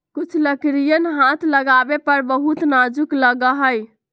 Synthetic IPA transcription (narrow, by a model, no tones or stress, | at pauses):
kut͡ʃʰləkɾijənɦat̪ʰləɡabepəɾbəɦut̪nad͡ʒukləɡəɦəj